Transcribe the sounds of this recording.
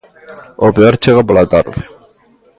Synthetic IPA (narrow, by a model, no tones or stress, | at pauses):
opeoɾt͡ʃeɣapolat̪a̰ɾðe̥